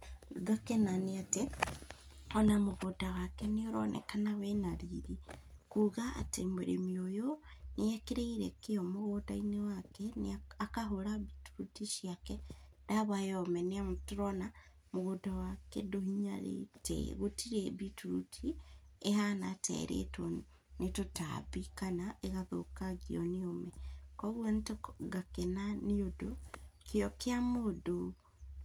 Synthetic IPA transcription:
ɡakenaneate | ɔnamoɣodawakɛneoɾɔ̰nɛ̰kanawɛnaɾiɾikuɣaa̰temoɾḛmiojonejɛkeɾeiɾɛ̰keɔmoɣodainewakɛneakaɦoɾaβituɾutiʃiakɛdaβajɔmɛneamotuɾɔna | moɣodawakḛdohiɲaɾḛtḛɣotʰiɾeβituɾutʰiehanatʰɛ̰ɾḛtɔ | netota̰βikanaʔeɣaðo̰kaɣiɔneomɛkɔɣwɔnetoɡakenaneodokʰeɔkeamodo

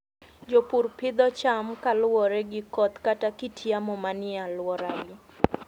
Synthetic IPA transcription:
d͡ʒopurpɪd̪ɔt͡ʃamkalwɔɾɛɡɪkɔt̪katakitʰjamɔmanɪalwɔɾaɡɪ

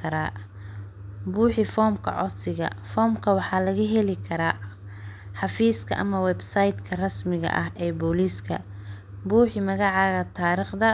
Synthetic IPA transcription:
kʰɐɾaː | buːħɪfɔːmkʰɐ̰ʕɔ̰sɪɣɐ̰fɔːmkʰɐwɑħɑːlɐɣɐɦɛlɪkʰɐɾaː | ħɑfiːskʰɐ̰ʔɐ̰mɐwɛbsɐjd̪kʰɐrɐsmɪɣɐ̰ʔɐɦʔɛːbɔːliːskʰɐ̰ | buːħɪmɐɣɑʕɑːɣɐt̪ʰaːɾiːχd̪ɐ

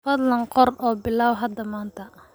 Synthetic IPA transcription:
fɐd̪lɐnqɔrɔːbɪlaːwɦɐd̪ɐmaːnt̪ʰɐ

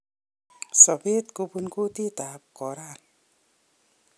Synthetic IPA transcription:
sʌbet̪kupunkut̪it̪ap̚kɔɾan

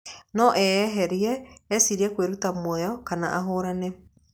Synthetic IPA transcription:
nɔʔɛːɦɛɾiɛːsiɾiɛkweɾutamwɛjɔkana̰ʔaɦoːɾanɛ

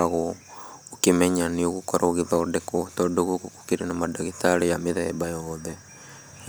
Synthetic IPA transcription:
aɣookimeɲanioɣukoɾoɣiðaodekotoduɣukuku̥kiɾenamadaɣitaɾijamiðaebajoːðe

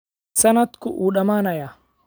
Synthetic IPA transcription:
sɐnɐt̪kʊʔuːᶑɐmaːnɐjɐ

